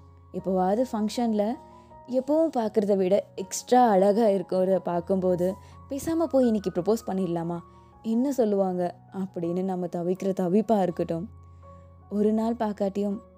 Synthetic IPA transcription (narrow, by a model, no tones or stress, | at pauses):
ɪpːoʋaːðɯfɐŋkʂɐnlɐ | ɛpːɐʋɯ̃mpaːɾkɯɾɐðɐʋɪɽɐɛksʈɾaːɐɻɐɣaːɪɾɯkːɯɾɐpaːɾkɯmpoːðɯ | peːsaːmɐpoːjɪnːɪk̬ːipɾɔpoːspɐɳːɪlːaːmaː | ɛnːɐsɔlːɯʋaːŋɡɐ | ɐpːɐɽɪnːɯnɐmːɐt̪ɐʋɪkːɪɾɐt̪ɐʋɪpːaːɪɾɯkːɯʈːɯ̃m | ɔɾɯnaːlpaːɾkaːʈːɪjɯm